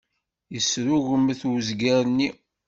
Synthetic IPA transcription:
jəsɾuɣəmːθwzɡæɾnːi

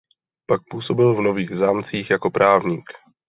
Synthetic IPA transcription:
pak̚puːso̞bɪlvnoviːɣzaːmt͡siːxjakopɾaːvɲiːk

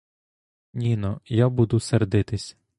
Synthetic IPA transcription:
nʲinɔjabud̪ʊserd̪ɪt̪ɪsʲ

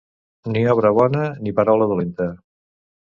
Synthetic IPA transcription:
niɔβ̞ɾəβɔnənipəɾawləðulent̪ə

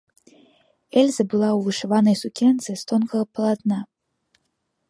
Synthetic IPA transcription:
ɛlʲzɐbɨlˠawvɨʂavanɐjsukʲɛnt̪sɨst̪ɔnkɐɣɐpɐlˠat̪na

